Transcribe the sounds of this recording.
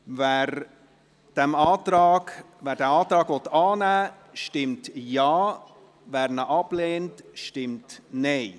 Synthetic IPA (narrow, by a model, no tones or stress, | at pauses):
vɛɾ | d̥ɛmɑːtɾɑːɡ | væːɾdɛːɑːt̪ɾɑːɡʋɔtːɑːnæː | ʃtɪmtjɑː | væːɾnəʔɑbleːntʃtɪmtneɪ